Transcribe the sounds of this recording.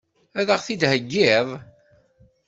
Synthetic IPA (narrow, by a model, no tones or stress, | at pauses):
æðəʁθid̪həɡːɪðˤ